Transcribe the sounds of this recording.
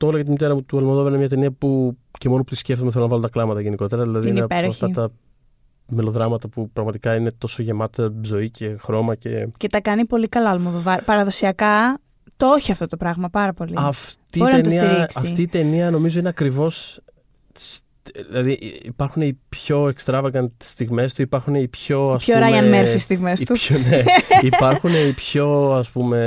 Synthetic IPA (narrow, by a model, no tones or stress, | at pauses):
t̪olɐjɐt̪imit̪e̞ɾɐmut̪uɐlmoðovɐɾnemɲɐt̪e̞niɐpuce̞mo̞noput̪isce̞ft̪omθelonɐvɐlot̪ɐklɐmɐt̪ɐʝe̞niko̞t̪eɾɐðilɐðinipeɾoɐçft̪ɐt̪ɐ | me̞lo̞ðɾɐmɐt̪ɐpupɾɐɣmɐt̪ikɐine̞t̪o̞so̞ʝe̞mɐt̪ezo̞ice̞xɾo̞mɐce̞̰ce̞t̪ɐkɐnipo̞likɐlɐɐlmoðovɐɾpɐɾɐðo̞siɐkɐ | t̪ooçiɐft̪o̞t̪o̞pɾɐɣmɐpɐɾɐpo̞liɐft̪iboinɐet̪onisɐiɾisɐift̪iːt̪e̞niɐno̞mizo̞ineɐkɾivo̞s | ilɐðiʔipɐɾxuneipço̞ekst̪ɾɐvɐɣɐnt̪i̥st̪iɣme̞st̪uipɐɾxuneipço̞ɐsçoɾɐjɐnmeɾfisist̪iɣme̞st̪uneipɐɾxuneipço̞ɐspume̞